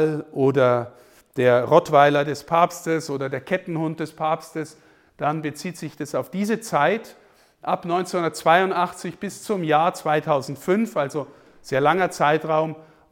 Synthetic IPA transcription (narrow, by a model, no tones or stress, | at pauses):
lʔoːdɐ | d̥eːɐʁɔtv̥aɪlɐdɛspʰaːpstəsʔoːdɐdeːɐkʰɛtn̩hʊnt̚d̥ɛspʰaːpstəs | d̥anbət͡siːtz̥ɪçd̥asaʊfd̥iːzət͡saɪt | ʔapnɔʏnt͡senhʊndɐt̚t͡sv̥aɪʊntʔaχt͡sɪçb̥ɪst͡sʊmjaːɐt͡sv̥aɪtʰaʊzn̩tfʏnfʔalzo | z̥eːɐlaŋɐt͡saɪtʁaʊm